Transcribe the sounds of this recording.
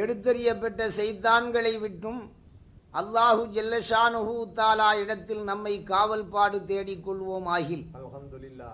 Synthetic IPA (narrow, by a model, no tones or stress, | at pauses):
ɛɽɯt̪ːɐɾɪjɐpːɐʈːɐsɛjt̪ːaːnɡɐɭɐɪʋɪʈrɯm | ʔɐlːaːhɯd͡ʒɐlːɐʂaːnʊɣʊt̪aːlaːɪɽɐt̪ːɪlnɐmːɐɪkaːʋɐlpaːɽɯt̪eːɽɪkːɔɭʋoːmaːɣɪl